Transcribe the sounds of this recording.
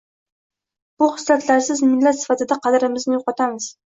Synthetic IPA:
b̥ʊχʊ̥sɾat̪ʰlaɾsɪzmɪnlːat̪sɪ̥fat̪ɪd̪aqʰɑd̪ɾɪmɪznɪjoqɒt̪ʰamɪz̥

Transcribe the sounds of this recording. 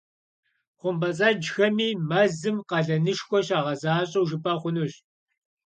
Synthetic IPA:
χʷʊmbɐt͡sʼaːd͡ʒxɐmiːmɐzɨmqɐɮɐnɨʂxʷɔɕaːʁɐzaːɕʼɐwʒɨpʰʼɐχʷʊnuːɕ

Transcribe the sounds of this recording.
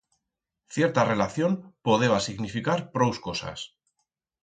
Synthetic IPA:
θje̞ɾt̪are̞laθjo̞mpoð̞eβasiɣnifikaɾpɾowskosa̰s

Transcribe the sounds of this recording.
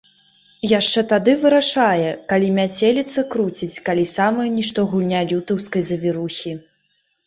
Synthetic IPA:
jaʂt͡ʂɛt̪ad̪ɨvɨɾaʂajɛkalʲimʲat͡sʲelʲit̪sːɐkɾut͡sʲit͡sʲkalʲisamɐjɛnʲiʂt̪ɔɣulʲnʲalʲut̪ɐwskɐjzɐvʲiɾuxʲi

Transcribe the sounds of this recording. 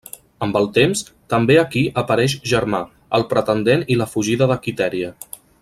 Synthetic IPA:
əmbəlˠt̪emst̪əmbeəkiʔəpəɾɛʃʒəɾma | əlˠpɾət̪ənd̪eniləfuʒiðəðəkit̪ɛɾiə

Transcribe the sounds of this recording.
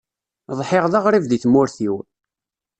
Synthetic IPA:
ðˤħɪʁðɑʁɾˤivðiθmʊɾθiw

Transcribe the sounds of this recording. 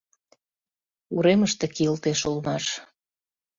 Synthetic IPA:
uɾeməʃt̪ekiəlt̪eʃolmɑʃ

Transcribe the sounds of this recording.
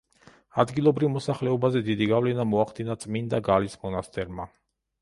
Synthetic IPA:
ad̪ɡilˠɔbɾivmɔsaχlɛɔbazɛd̪id̪iɡavlɛnamɔaχd̪inat̪sʼmind̪aɡalismɔnast̪ʰʼɛɾma

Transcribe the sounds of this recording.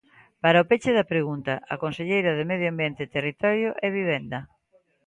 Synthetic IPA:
paɾaopet͡ʃɪðɐpɾeɣunt̪ɐʔɐkonseʎejɾɐðemeðjoambjent̪ɪt̪erit̪ɔɾjoʔɛβ̞iβ̞ɛnd̪ɐ

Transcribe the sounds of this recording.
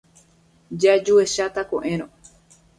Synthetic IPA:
d͡ʒad͡ʒueʃat̪akõʔẽɾ̃õ

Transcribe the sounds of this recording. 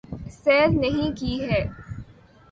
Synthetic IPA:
sɛːɾnɐɦĩkiɦɛː

